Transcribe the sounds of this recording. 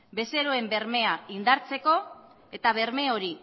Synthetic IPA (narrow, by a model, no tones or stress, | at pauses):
be̞se̞ɾoe̞mbe̞ɾme̞aind̪aɾt͡se̞ko̞ | e̞t̪aβ̞e̞ɾme̞o̞ɾi